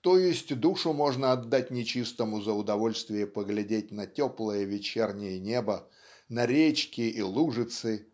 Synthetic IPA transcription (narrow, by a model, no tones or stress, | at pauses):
t̪ojɪsʲtʲd̪uʂʊmo̞ʐnəɐd̪ːat̚ʲnʲɪt͡ɕist̪əmʊzəʊd̪ɐvo̞lʲst̪vʲɪjəpəɡlʲɪdʲetʲnɐtʲoplˠəjəvʲɪt͡ɕernʲɪjənʲebə | nɐɾʲet͡ɕkʲɪʔilˠuʐɨt̪sɨ